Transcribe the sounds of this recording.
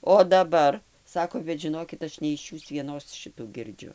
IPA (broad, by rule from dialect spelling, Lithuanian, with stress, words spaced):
oː dɐˈbɐr ˈsɑːkoː bʲɛt ʒʲɪˈnoːkʲɪt ˈɐʃ nʲɛ ɪʃ ˈjuːs ʋʲiɛˈnoːs ˈʃʲɪtuː ɡʲɪrʲˈd͡ʒʲʊ